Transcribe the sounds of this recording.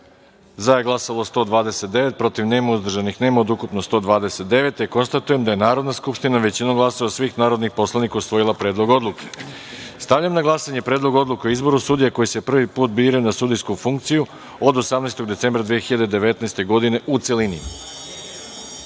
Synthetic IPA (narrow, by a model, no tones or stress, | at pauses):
zajeɡlˠasalˠo̞st̪o̞ːd̪ʋaːd̪eset̪̚d̪e̞ʋe̞t̪̚pɾo̞t̪iʋne̞ːmauzd̪r̩ʒanixnemaod̪ukupnost̪o̞ːd̪ʋaːd̪eset̪̚d̪e̞ʋe̞t̪eko̞nst̪at̪ujemd̪aje̞naːɾo̞d̪naskupʃt̪inaʋe̞t͡ɕinoɡlˠaso̞ʋasʋiːxnaːɾo̞d̪nixpo̞slˠanikausʋo̞jilˠapɾe̞ːd̪lˠo̞ɡo̞d̪lˠuke̥ | st̪aʋʎamnaɡlˠasaɲe̞pɾe̞ːd̪lˠo̞ɡo̞d̪lˠukeoizbo̞ɾusud̪ijako̞jise̞pr̩ʋipuːt̪̚biːɾajunasud̪ijskufuŋk̚t̪siju | od̪o̞samnaest̪o̞ɡd̪ese̞mbɾad̪ʋijexiʎad̪ed̪e̞ʋe̞t̪naest̪e̞ɡo̞d̪ine̞ʔut̪se̞linḭ